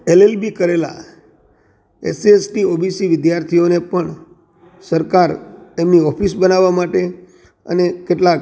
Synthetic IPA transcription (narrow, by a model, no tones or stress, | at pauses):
elelbikəɾela̰ | ḛsiesʈiobisiʋɪd̪jaɾt̪ʰionepəɳ | səɾkaɾt̪emniɔpʰisbənaʋːamaʈe | ə̰nekeʈlak